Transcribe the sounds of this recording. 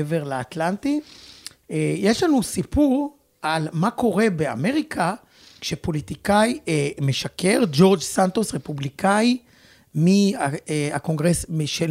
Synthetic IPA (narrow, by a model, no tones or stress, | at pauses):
veʁlaat̪lant̪i | eje̞ʃlanusipuʁ | almako̞ʁe̞bea̰me̞ʁikʰa | kʃepo̞lit̪ikajeme̞ʃakeʁd͡ʒo̞ʁd͡ʒsant̪osʁe̞publikaji | miaeako̞ŋɡʁesmiʃe